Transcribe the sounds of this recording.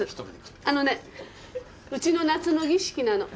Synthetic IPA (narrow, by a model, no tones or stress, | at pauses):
ɨano̞ne̞ | ɯ̟t͡ɕino̞nat͡sɨno̞ɡʲiɕi̥kʲinano̞